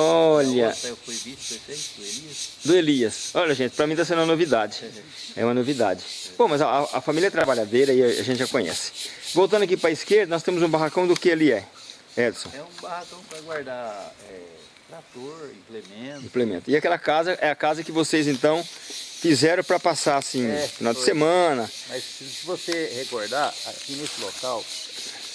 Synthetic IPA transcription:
ɔʎɐpviefej̪eliɐd̪ʊeliɐsɔʎɐʒẽt͡ʃɪ̥pɾɐmĩt̪asẽd̪ũmɐ̃novid̪ad͡ʒɪ | ɛ̰ũmɐnovid̪a̰d͡ʒɪb̥õmɐzaaɐfamiljɐɛt̪ɾabaʎad̪ejɾɐia̰ʒẽtt͡ʃɪʒakõɲɛ̰sɪ̥vowt̪ɐ̃d̪ʊɐkipɾɐiskeɾd̪ɐnɔst̪ẽmʊzũbaɦakɐ̃w̃d̪ʊkɪaliɛ | ɛd̪sõɛũbahakɐ̃w̃paɡwaɾd̪aɛ | t̪ɾat̪oɾĩplemẽĩplemẽnt̪ʊɪakɛlɐkazɐʔɛɐkazɐkɪvosejzẽnt̪ɐ̃w̃fizɛɾɐ̃w̃pɾɐpasaasĩɛfinawd̪ɪsemɐ̃nɐ | mɐs | sɪvosehekoɾd̪aa̰kinesɪlokaw

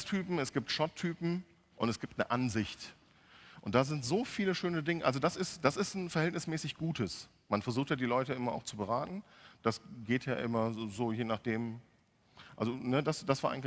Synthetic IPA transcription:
stʰyːpm̩ɛsɡ̥iːptʃɔtʰːyːpm̩ | ʔʊntɛsɡ̥iːptnəʔanzɪçt | ʔʊntd̥aːzɪntz̥oːfiːləʃøːnədɪŋəʔalzodasɪstd̥asɪstn̩fɛɐhɛltnɪsmɛːsɪçɡ̥uːtəs | manfɛɐzuːxtjaːdiːlɔʏtəʔɪmɐa̰ʊxt͡subəʁaːtn̩d̥asɡeːtja̰ːʔɪmɐzoːjeːnaχd̥eːm | ʔa̰lzonədasd̥asv̥aːɐʔa̰ɪŋ̩l

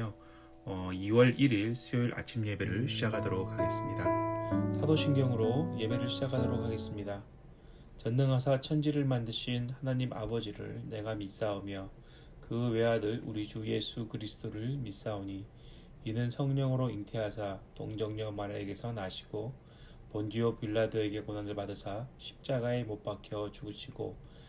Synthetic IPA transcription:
o | ʌiwʌɭiɾiɭsʰioiɾʔa̰t͡ɕʰimje̞be̞ɾɯɭɕʰid͡ʑakʰadoɾok̚haɡe̞s͈ɯmɲidasʰadoɕʰiŋɡjʌŋɯɾoje̞be̞ɾɯɭɕʰid͡ʑakʰadoɾok̚ʰaɡe̞s͈ɯmɲida | t͡ɕʌnːɯŋɦasʰat͡ɕʰʌnd͡ʑiɾɯɭmandɯɕʰinhanaɲimʔa̰bʌd͡ʑiɾɯ̰ɭne̞ɡamis͈aomjʌ | kɯwe̞ɦadɯɭuɾid͡ʑuje̞sʰukɯɾisʰɯ̥t͈ʰoɾɯɭmis͈aoɲi | inɯnsʰʌŋɲʌŋɯɾointʰe̞ɦasʰato̰ŋd͡ʑʌŋɲʌmaɾe̞ɡe̞sʰʌnaɕʰi̥ɡ̥o | pondiopiɭːadɯe̞ɡe̞konanɯɭpadɯsʰaɕʰi̥p̚t͡ɕ͈aɡae̞mop͈akʰjʌt͡ɕuɡɯɕʰiɡ̥o̰

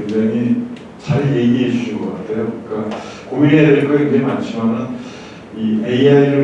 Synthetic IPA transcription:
eŋd͡ʑaŋi | t͡ɕaɾje̞ɡiɦed͡ʑʰuɕʰɯnɡʌk͈atʰe̞jokɯik͈a | komiɾedeɾek͈ʰakeŋd͡ʑeimant͡ɕʰimanɯn | ieiaiɾɯ

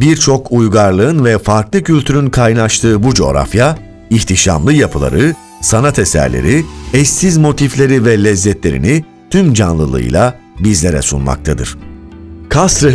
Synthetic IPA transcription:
biɾt͡ʃʰo̞kʰujɡaɾlˠɯɯnvɛfaɾklˠɯcʰylʲt̪ʰyɾynkʰajnaʃt̪ʰɯːbud͡ʒo̞ːɾa̰fja | içt̪ʰiʃa̰mlˠɯjapʰɯlˠa̰ɾɯ | sanat̪ʰesæ̰ɾlʲḛɾiɛsːizmo̞t̪ʰiflʲe̞ɾivɛlʲɛzːɛt̪lʲeɾḭni | t̪ʰymd͡ʒanlˠɯlˠɯ̰ɯ̰jlˠa | bizlʲeɾɛ̰sṵnma̰kt̪ʰad̪ɯ̰ɾ̥ | kʰast̪ɾɯ

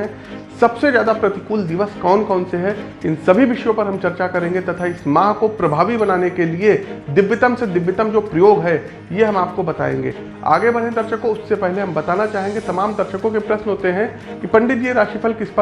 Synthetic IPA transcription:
ɛ̃ | sɐbsezjaːd̪apɾɐt̪ɪkuːld̪ɪʋəskɔːnkɔːnseɦɛ | ɪ̃nsɐbʱiʋɪʃjõpɐɾɦɐmt͡ʃɐɾt͡ʃakɐɾẽːŋɡet̪ɐt̪ʰaɪsmãːɦkopɾɐbʱaːʋibɐnaːnekelied̪ɪʋːɪt̪əmsed̪ɪʋːɪt̪əmd͡ʒoːpɾɐjoːɡɦɛ | jeɦɐmaːp̚kobɐt̪a̰ːḛ̃ːŋɡḛː | a̰ːɡebɐɽ̤̃ẽd̪ɐɾʃəkõʊsːepɛɦleɦɐ̃mbɐt̪aːnat͡ʃaːɦẽːŋɡet̪ɐmaːmd̪ɐɾʃəkõkepɾɐʃnɦoːt̪eɦɛ̃ | kipɐ̃ɳɖɪt̪d͡ʒieɾaːʃipʰəlkɪspə

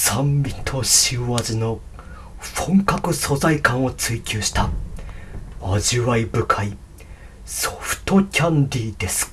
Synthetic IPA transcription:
sãmbʲit̪ʰo̞ɕiβazɨno̞ | ɸõŋkakɯ̟so̞zaikãɰ̃o̞t͡sɨikʲɨːɕi̥t̪a | aʑiβaibɯ̟kʰai | so̥ɸɯ̟̥t̪o̞kʲãnd̪ʲid̪e̞sɨ̥

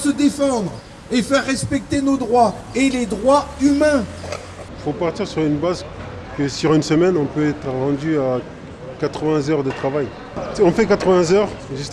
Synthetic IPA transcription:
səd̪efɑ̃d̪ʁ | efɛʁːɛspɛk̚t̪enod̪ʁwa | eled̪ʁwaymɛ̃ | ifopaʁt̪iʁsyʁynbaz | kəsyʁynsəmɛnɔ̃pøɛt̪χʁɑ̃d̪ya | kat̪χəvɛ̃zœʁd̪ət̪χavaj | ɔ̃fɛkat̪χəvɛ̃zœʁʒyst̪

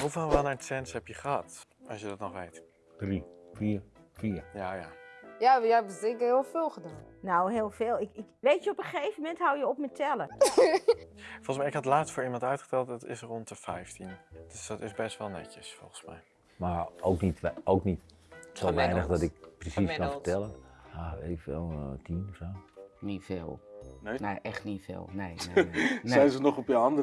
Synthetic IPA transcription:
hufɛlˠʋalˠnaɹsɛnshɛpjəχəhɑtɑ̰sjədɔtnɔχʋejt | d̥rifiːɹ | fiːəɹjajajajaɛbəstɪŋkəhɪːlˠfɪːlˠxədaːnnowɦɪːlˠfeːlˠɪkɪkʋeːtjəopəχejvəmɛnthawjəopmətʰɛlˠə | foɔlˠəsmɛjɪkhɑtlaːstfoːɹimɑntœɥtχə̥tɛlˠt̚dɔtɪ̰srɔntəfɛjftind̥sdɔtɪsbɛstʋɛlˠnɛ̰cəsfo̰lˠχənsmɛ̰j | maowknitowknit | soʋɛjnəxdɔtɪk̚prisiskɔnfətɛlˠənjaeːvəɛ̰lˠtʰinɔfsoːnifḛːlˠeneʔɛxtnifḛːlˠnejesɛjnzənɔχɔpjəɑndə

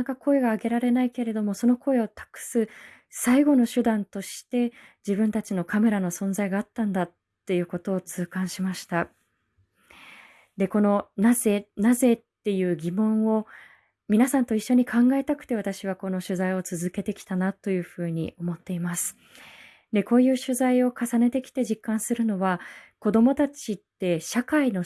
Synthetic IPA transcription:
akako̞e̞ɡaːɡe̞ɾaɾe̞naike̞ɾe̞d̪o̞mo̞so̞no̞ko̞e̞o̞t̪ḁkɯ̥sɨ | saiɡo̞no̞ɕɨd̪ãnt̪o̞ɕi̥t̪e̞d͡ʑibɯ̟̃nt̪at͡ɕino̞kame̞ɾano̞sõ̞nzaiɡaːt̪ːãnd̪at̪ːe̞jɯ̟ːko̞t̪o̞ːt͡sɨːkãɰ̃ɕimaɕi̥t̪a | d̪e̞ko̞no̞nazenaze̞t̪ːe̞jɯ̟ːɡʲimõ̞ɰ̃o̞ | mʲinasãnt̪o̞iɕːo̞ɲ̟ikʰãŋɡae̞t̪akɯ̟̥t̪e̞βat̪aɕiβ̞ako̞no̞ɕɨzaio̞t͡sɨzɨke̞t̪e̞kʲi̥t̪anat̪o̞jɯ̟ːɸɯ̟ːɲ̟ḭʔo̞mo̞t̪ːe̞imasɨ̥ | d̪e̞ko̞ːjɯ̟ːɕɨzaio̞kasane̞t̪e̞kʲi̥t̪e̞ʑikːãɰ̃sɨɾɯ̟no̞βako̞d̪o̞mo̞t̪at͡ɕit̪ːe̞ɕakaino̞

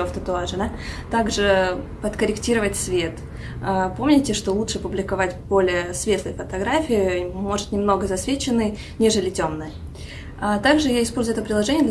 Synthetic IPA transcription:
oft̪ət̪ʊaʐɨnət̪aɡʐɨpət̪kəɾʲɪktʲiɾəvətʲsvʲe̞t̪ | əpo̞mnʲɪtʲɪʂt̪o̞lˠutʂɨɐpʊblʲɪkɐvatʲb̥o̞lʲɪjəsvʲe̞t̪lˠɨjfət̪ɐɡɾafʲiɪmo̞ʐɨ̥t̪nʲɪmno̞ɡəzɐsvʲet͡ɕɪnːɨj | nʲe̞ʐɨlʲɪtʲomnɨjə | at̪aɡʐɨjaɪspolʲzʊjɛt̪əpɾʲɪdlˠɐʐɛnʲɪjəd̪lʲ

